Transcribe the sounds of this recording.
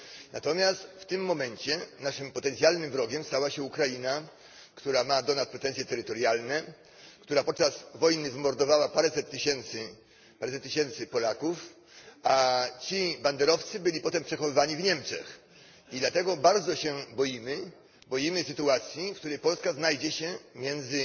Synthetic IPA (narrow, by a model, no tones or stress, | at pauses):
na̰t̪ɔmʲjast̪ft̪ɘmːɔmɛɲt͡ɕɛnaʂɘmpɔt̪ɛnt̪sʲjalnɘmvɾɔɡʲɛmst̪awaɕɛukɾajina | kt̪uɾamad̪ɔnas̚pɾɛt̪ɛnsʲjɛt̪ɛɾɘt̪ɔɾjalnɛ | kt̪uɾapɔt̪̚t͡ʂasvɔjnɘvmɔɾd̪ɔvawapaɾɛsɛt̪ːɘɕɛnt̪sɘ | paɾɛsɛt̪ːɪɕɛnt̪sɘpɔlakuf | at͡ɕiband̪ɛɾɔft̪sɘbɘlʲipɔt̪ɛmpʂɛxɔvɘvaɲivɲɛmt͡ʂɛ̰x | id̪lat̪ɛɡɔbaɾd̪zɔɕɛbɔjimɘ | bɔjimɘsɘt̪uat̪sʲjifk̚t̪uɾɛjpɔlskaznajd͡ʑɛɕɛmʲjɛnd̪zɘ